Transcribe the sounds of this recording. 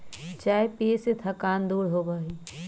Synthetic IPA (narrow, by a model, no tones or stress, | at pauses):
t͡ʃaːɦepeːset̪ʰɐkaːnd̪uːɽɦobaːɦi